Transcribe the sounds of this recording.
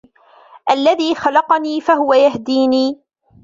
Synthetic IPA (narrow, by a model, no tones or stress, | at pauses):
ʔalːaðiːxɑlɑqɑniːfaɦʊwajahd̪iːniː